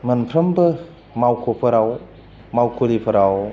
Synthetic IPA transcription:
mɯnpʰɾɐmbɯ | mawkʰopʰɯɾaw | mawkʰolipʰɐɾaw

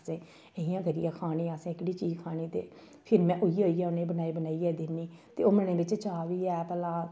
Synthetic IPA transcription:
sẽː | eɦɪjãːɡəɾḭjãːkʰaːñĩːaːsẽːɪkɽiːt͡ʃiːzkʰaːniːt̪ḛː | pʰɪɾmɛ̃ːʔʊioːiːaːʊnẽːbənaːiːbənaːiːɛːd̪ɪnːiːt̪eːoːmənẽːbɪt͡ʃt͡ʃaːʋiːɛːpɛlãː

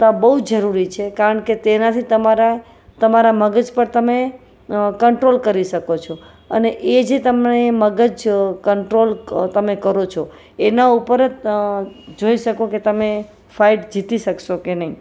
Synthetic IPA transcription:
t̪abəɦud͡ʒəɾuɾit͡ʃʰekaɾəɳket̪enat̪ʰit̪əmaɾa | t̪əmaɾaməɡəd͡ʒpəɾt̪əme | kəɳʈɾolkəɾiʃəkot͡ʃʰo | əneʔed͡ʒet̪əmneməɡəd͡ʒkəɳʈɾolt̪əmekəɾot͡ʃʰo | enaupəɾət̪ | d͡ʒoiʃəkoket̪əme | fʰaiʈd͡ʒit̪iʃəkʃokenəi

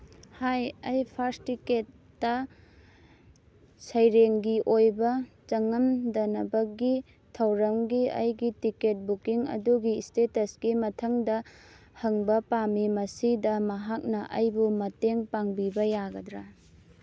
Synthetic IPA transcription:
hajɐjpʰaɾstiketː | ɐ | sɐjɾeŋɡiʔojbɐt͡ʃɐŋɐmdɐnɐbɐɡi | tʰɐwɾɐmɡiɐ̰jɡitiket̚bukiŋɐ̰duɡistetɐsɡ̥imɐtʰɐŋdɐ | hɐŋbɐpamimɐsidɐmɐɦak̚nɐʔɐjbumɐteŋpaŋbibɐjaɡɐdɾa

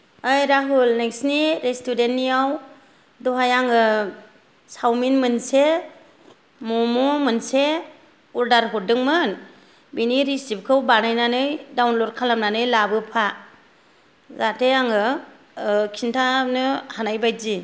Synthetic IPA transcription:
ɯjɾaɦulneŋsniɾestʰudentːiaw | dɔɦajaŋɯ | sawminmɯnse | mɔmomɯnse | uɾdaɾɦɔdɯŋmɯn | biniɾisip̚kʰɯwbanajnanɯjdawnlɔɾkʰalamnanɯjlabɯpʰa | zatʰeaŋɯ | kʰintʰanɯhanajbajzi

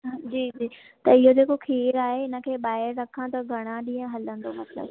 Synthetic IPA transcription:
d͡ʑiːd͡ʑiː | t̪ɐɪɦod͡ʑeːkokʰeːɾaːɦeɪnə̆kʰeːɓaːɦɪɾːɐkʰãt̪ɐɡʱɐɽ̃aɗĩːə̃ɦɐlə̃nd̪omɐt̪lə̰b

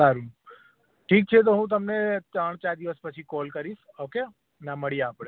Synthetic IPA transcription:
saɾu | ʈʰiːk̚t͡ʃʰet̪̬oɦũt̪əmnet̪ɾəɳ̃t͡ʃaɾd̪iʋəspət͡ʃʰikɔlkəɾiʃ | oke | naməɭijeaːpɽ̃e

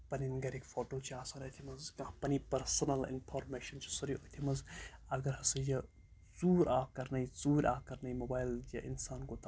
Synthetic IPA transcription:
pɐninɡɐɾikfʰoːʈoːt͡ʃʰiaːsaːnɐt̪ʰimɐzkɐmpɐnipɐɾsɐnɐlḭnfʰoːɾmeʃɐnt͡ʃʰi̥sɐɾiot̪ʰimɐzɐɡɐɾhɐsɐjɐ | zuːɾʔaːkɐɾnɐjzuːɾʲa̰ːkɐɾnɐjmoːbaːjljɐʔḭnsaːnɡot̪a

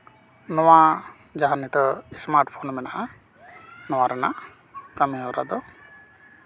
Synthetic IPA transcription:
nɔwa | d͡ʒaɦanit̪ɔismaɾʈpʰonmɛnaʔa | nɔwaɾɛnaʔ | kameɔɾa̰d̪ɔ

